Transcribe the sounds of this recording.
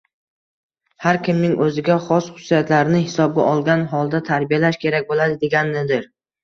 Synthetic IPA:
haɾkʲɪmnɪŋʔɵzɪɡʲaχɒsχʊ̥sijat̪laɾɪnɪhɪsɒb̚ɡʲa̰ʔɒlˠɡʲanɦɒlˠd̪at̪ʰaɾbijalaʃkʲʰe̞ɾakʲbolad̪ɪd̪eɡʲanːɪd̪ɪɾ

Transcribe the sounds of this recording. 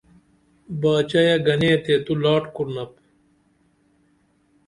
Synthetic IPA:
baːt͡ɕɐjɐɡɐneːt̪eːt̪ulaːʈkuɾnɐp

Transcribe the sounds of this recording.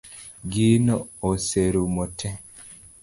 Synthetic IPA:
ɡinɔoseɾumotʰɛ

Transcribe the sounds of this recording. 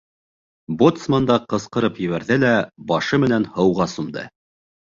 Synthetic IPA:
bot̪smand̪ɑqɤ̆sqɤ̆ɾɤpjɘ̆βæɾðɘlæbɑʃɤmɘ̆nænhɤ̆wʁɑsumd̪ɤ̰

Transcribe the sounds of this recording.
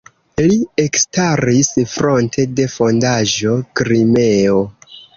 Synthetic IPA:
liekstaɾisfɾo̞ntʰe̞de̞fo̞ndaʒo̞kɾime̞o

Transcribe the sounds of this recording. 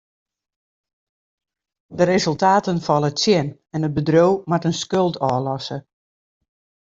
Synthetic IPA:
dərezɵlˠtaːtənfɔlˠətsjɪn | ɛnət̚bədrowmatənskølˠtʰɔːlɔsə

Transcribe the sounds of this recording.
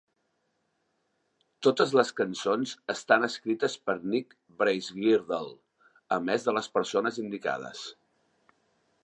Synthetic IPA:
t̪ot̪əzləskənsonzəst̪anəskɾit̪əspəɾnik | bɾejzɣiɾðəlˠ | əmɛzðələspəɾsonəzind̪ika̰ð̞ə̰s

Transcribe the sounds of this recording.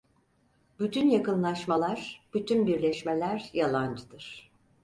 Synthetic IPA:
byt̪ʰynjakɯnlˠaʃmalˠaɾ̥b̥yt̪ʰynbiɾlʲɛʃmelʲæɾjalˠand͡ʒɯd̪ɯɾ̥

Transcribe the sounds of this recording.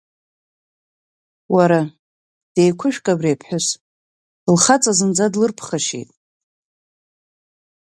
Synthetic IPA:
waɾa | d̥ejkʷʰʊʃᶣkʼabrepʰħʷᶣʊs | lχat͡sʼazɨnd͡zadlɨrpʰχaʃḛjtʼ

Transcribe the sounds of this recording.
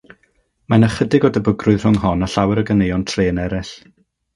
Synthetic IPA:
manaχədɪɡɔdəbəɡrʊɨðr̥ʊŋɦɔnaɬawɛɾəɡənejɔntʰreːənɛɾɪɬ

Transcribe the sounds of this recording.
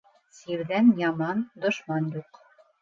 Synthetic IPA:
siɾðænjɑmɑnd̪ŏʃmɑnjuq

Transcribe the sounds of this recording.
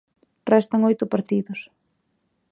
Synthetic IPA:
rɛst̪ɐŋojt̪ʊpaɾt̪iðʊs

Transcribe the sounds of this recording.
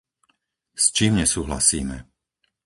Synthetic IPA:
st͡ʃiːmɲɛsuːɦla̰siːmɛ̰

